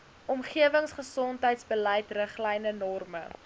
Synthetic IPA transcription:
ʔɔmχiəvəŋsχəsɔntɦəjtsbəlɛjtrəχlɛjnənɔrmə

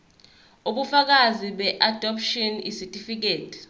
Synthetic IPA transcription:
uɓufak̬aziɓɛʔad̥ʱɔpʰʃɔnḭsitʼifik̬eːtʰʼi̥

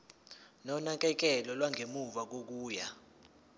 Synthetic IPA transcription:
nɔnak̬ʼɛk̬ɛlɔlwaŋʱemuvak̬ok̬uːja

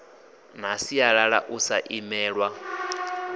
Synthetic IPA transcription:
n̤asiaɺaɺa̰ʔusaʔimɛːɺwa

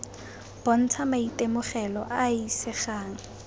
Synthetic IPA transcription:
b̥ɔn̩t͡sʰamaitemʊχɛlɔʔaisɪχaːŋ̩

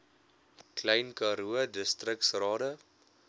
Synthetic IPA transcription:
klɛjnkɑɾuədəstrəksrɑːdə

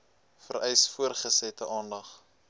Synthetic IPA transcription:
fə̰rɛjsfuərχəsɛtəʔɑːndɐχ

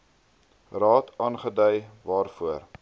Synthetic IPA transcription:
rɑːtʰɑːnχədœjvɑːrfuər

